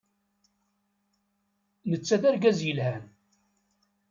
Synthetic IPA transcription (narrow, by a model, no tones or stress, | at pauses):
nət͡sːæðæɾɡæzjəlhæn